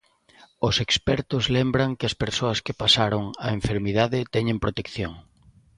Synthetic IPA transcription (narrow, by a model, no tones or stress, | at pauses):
ʊsekspɛɾt̪ʊzlembɾaŋkɪɐspeɾsoɐskɪpasaɾoŋa̰eɱfeɾmiðaðɪt̪ɛɲẽmpɾot̪ekθjoŋ